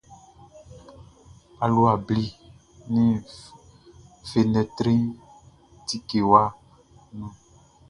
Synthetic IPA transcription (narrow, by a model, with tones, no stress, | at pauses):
a˨lu˦a˨bli˦ | nĩ˦ | fe˨nɛ̃˨t̪ɾĩ˦ | t̪i˦ke˨wa˦ | nũ˦